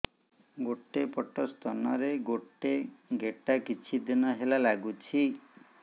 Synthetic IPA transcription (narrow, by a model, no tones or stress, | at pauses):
ɡoʈːepɔʈɔst̪ɔnɔɾeɡoʈːeɡeʈakit͡ʃʰid̪inɔɦelalaɡut͡ʃʰi